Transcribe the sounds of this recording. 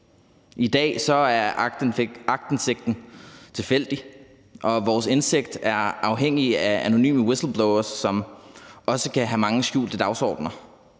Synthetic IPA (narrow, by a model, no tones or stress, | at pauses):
ʔid̥ɛ̰ːsɒ̽æɐ | ɑ̈ɡ̥̚d̥n̩seɡ̥d̥n̩t͡sʰe̝lfel̰d̥i | ʔɒ̽ʋɒːse̝nseɡ̥̚d̥æɐɑ̈ʊɦeŋ̰iææno̝ny̰ːməwesl̩ˠb̥lɔʊɐsːɒ̽mɒ̽səkʰæɦæmɑ̈ŋəsɡ̥ṵːld̥əd̥ɑ̈ʊsɒ̰ːd̥nɐ